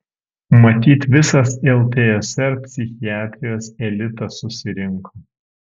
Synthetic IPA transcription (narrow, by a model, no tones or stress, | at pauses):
mɐt̪ʲiːt̪ʋʲɪsɐsɛlˠt̪ʲeɛsʲɛɾpʲsʲɪxʲɪjæːt̪ʲɾʲɪjoːsɛlʲɪt̪ɐsʊsʲɪɾʲɪŋkʰo